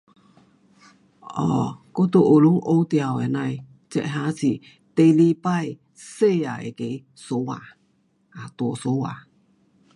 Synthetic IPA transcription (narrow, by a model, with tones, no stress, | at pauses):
ɔ˧ko˦t̪o˨ʔo˨lu˦ʔo˧˦wt̪ia˨wɛ˨na˧j | t͡ʃɛ̰˧ʔɦa˦t͡si˨ | t̪e˧li˧paj | se˦a̰˨ḛ˨ke˧j | so˧˦wa̰˨ | a˨t̪o˨so˧˦wa̰˨